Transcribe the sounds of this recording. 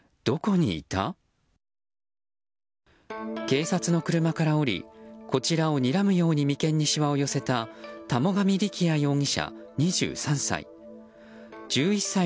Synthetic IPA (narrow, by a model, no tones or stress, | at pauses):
d̪̥o̞ko̞ɲ̟ḭːt̪a̰ | ke̞ːsat͡sɨno̞kɯ̟ɾɯ̟makaɾao̞ɾʲḭko̞t͡ɕiɾao̞ɲ̟iɾamɯ̟jo̞ːɲ̟imʲikẽ̞ɲ̟ːiɕiβao̞jo̞se̞t̪at̪amo̞ɡamʲiɾʲikʲʰiajo̞ːŋʲiɕa̰ɲ̟iʑɨ̰ːsãɰ̃sa̰ḭ | d͡ʑ̥ɨːisːa